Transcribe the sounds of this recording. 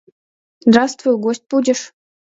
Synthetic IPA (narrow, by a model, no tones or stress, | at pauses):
zd̪rɑst̪vujɡosʲt̚ʲpudʲɪ̆ʂ